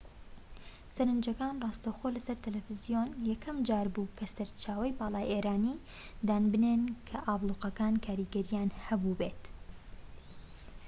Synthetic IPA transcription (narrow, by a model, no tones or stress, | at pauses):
sɐɾɨnd͡ʒɐkaːnrˤɑːst̪ɐwxolɐsɐɾt̪ʰɨlɛfɨzijonjɛkʰɐmd͡ʒaːɾbuːkʰɐsɐɾt͡ʃaːwɐjbɑːlˠɑːjʔeːɾaːni | d̪aːnbɨnenkʰɐʔɑːblˠuːqɐkaːnkʰaːɾiɡɐɾijaːnhɐbubeːt̪